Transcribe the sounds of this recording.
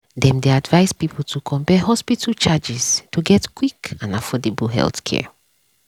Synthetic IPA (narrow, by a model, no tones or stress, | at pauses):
dɛ̃mdeadvaɪspipl̩tʰukʰɔ̃mpɛɦɔspitʰəlt͡ʃad͡ʒiz̥tuɡɛtkwikãnafɔdebəɦɛ̰lˠtkʰɛ̰